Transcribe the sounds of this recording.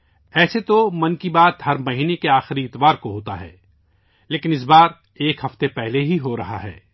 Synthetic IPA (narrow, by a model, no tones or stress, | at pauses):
ɛːset̪omɐnkibaːt̪ɦɐɾmɐɦiːnekeaːxɪɾiɪt̪ʋaːɾkoɦoːt̪aɦɛ̰ː | leːkɪnɪs̬baːɾ | eːkɦɐft̪epɛɦleɦiɦoɾɐɦa̰ɦɛ̰ː